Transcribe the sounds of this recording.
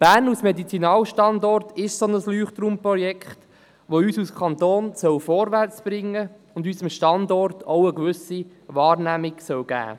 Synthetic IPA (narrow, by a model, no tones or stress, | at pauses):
b̥æːrnusmedit͡sinɑːwʃtɑndɔrtɪʃsonəslyːχt̪ɾuːmprɔjɛkχt | ʋoyːsuskʰɑnt̪oːnsœwfɔːɾʋært͡sb̥ɾɪŋːə | ʊndysəmʃtɑndɔɾtʰowəkʋʏsi | ʋɑːɾnæmɪɡ̥sœwɡ̥æ̰ː